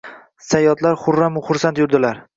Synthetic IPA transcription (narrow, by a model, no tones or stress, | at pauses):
sajɒt̪laɾχʊɾːamʊχʊɾsant̪jʊɾd̪ɪlaɾ